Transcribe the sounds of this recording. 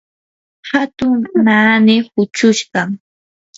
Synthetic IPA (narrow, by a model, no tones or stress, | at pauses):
hat̪ʊŋnaːnɪhʊt͡ʃʊʃɢɑ